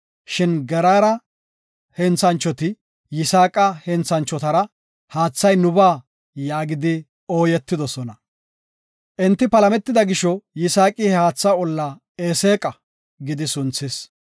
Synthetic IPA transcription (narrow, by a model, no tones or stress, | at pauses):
ʃɪnɡɛɾaːɾɐ | hɛnt͡sːɐnt͡ʃːɔt̪ɪ | jɪsaːkʼɐhɛnt͡sːɐnt͡ʃːɔt̪ɐɾɐ | haːt͡sːɐjnʊbaː | jaːɡɪd̪ɪ | o̞ːjɛt̪ːɪd̪ɔsɔnɐ | ʔɛnt̪ːɪpɐlɐmɛt̪ːɪd̪ɐɡɪʃɔjɪsaːkʼiɛhaːt͡sːaɔlːa | eːseːkʼɐ | ɡɪd̪ɪsʊnt͡sːɪs